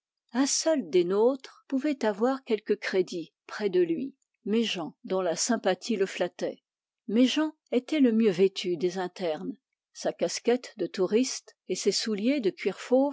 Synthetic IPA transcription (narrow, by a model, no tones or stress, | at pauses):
ɛ̃sœld̪enot̪χpuvɛt̪avwaʁkʲɛlkəkχed̪i | pχɛd̪əlɥi | meʒɑ̃d̪ɔ̃lasɛ̃pat̪ʰiləflat̪ɛ̰ | mɛʒɑ̃ | et̪ɛləmjøvet̪ʰyd̪ezɛ̃t̪ɛʁn | sakaskʲɛt̪d̪ət̪uʁist̪esesuljed̪əkʲɥiʁfoːv